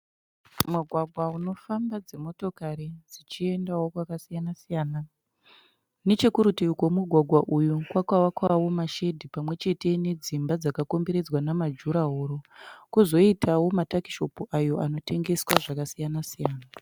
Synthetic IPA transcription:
muɡʱwaɡʱwauno̞fambad͡zemo̞to̞kaɾid͡zit͡ʃie̞ndawokwakasijanasijaːna | ne̞t͡ʃekuɾutikwomuɡʱwaɡʱwaʔujukwakwawakwawo̞maʃe̞dʱipamwe̞t͡ʃe̞te̞ne̞d͡zimbad͡zakako̞mbe̞ɾe̞d͡zwanamad͡ʒuɾaɦoːɾo̞kuzo̞itʰawo̞mataki̥ʃo̞puʔajo̞ʔano̞te̞ŋɡe̞swaʐakasijanasijaːna

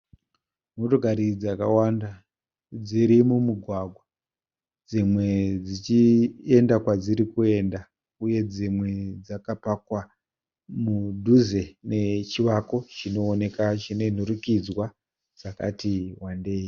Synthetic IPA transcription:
notoɡʱaɾid͡zaka̰wanda | d͡ziɾimumuɡʱwaɡʱwa | d͡zimwe̞d͡zit͡ʃie̞ndakwad͡ziɾikue̞nda | uje̞d͡zimwe̞d͡zakapakwa | mudʱuze̞ne̞t͡ʃiʋako̞t͡ʃino̞ːne̞kat͡ʃine̞n̤uɾukid͡zwa | d͡zaka̰tiwande̞ːi

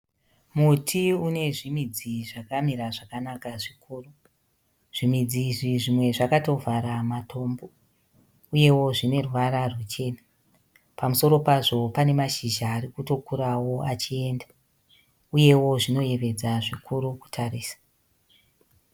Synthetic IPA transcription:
mutʰiune̞ʐimid͡ziʐakamiɾaʐakanakaʐikʰuːru | ʐ̥imid͡ziʐiʐimwe̞ʐakato̞vʱaɾamatʰo̞ːmbo̞ | uje̞wo̞ʐine̞rwaɾarwut͡ʃe̞ːna | pamuso̞ɾo̞paʐo̞pane̞maʃiʒaːrikuto̞kuɾawo̞at͡ʃie̞ːnda | uje̞wo̞ʐino̞je̞ʋe̞d͡zaʐikʰuɾuku̥tʰariːsḁ

